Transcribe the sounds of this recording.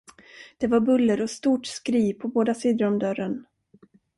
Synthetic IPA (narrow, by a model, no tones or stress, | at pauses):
d̪̥ɛvaɾbɵlːəɾɔst̪uːʈskɾiːpʰɔboːd̪asiːd̪əɾɔmd̪œɾən